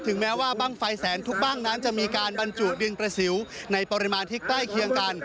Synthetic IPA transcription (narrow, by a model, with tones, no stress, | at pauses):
t̪ʰɯ˩˦ŋmɛː˦˥waː˥˩baː˥˩ŋfa˧jsɛː˩˦nt̪ʰu˦˥k̚baː˥˩ŋna˦˥nt͡ɕa˨˩ʔmiː˧kaː˧nba˧nt͡ɕuː˨˩k̪̚dɯ˧npɾa˧si˩˦wna˧jpɔː˧ɾi˦˥maː˧nt̪ʰiː˦˥˩k̚t̪aː˥˩jkʰi˧əŋka˧n